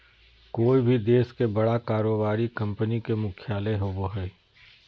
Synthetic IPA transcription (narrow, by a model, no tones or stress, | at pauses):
koːibʱid̪eːskebɐɽakaːɾoːbaːɾikɐ̃mpənikemʊkʰjaːleɦoːboɦɛː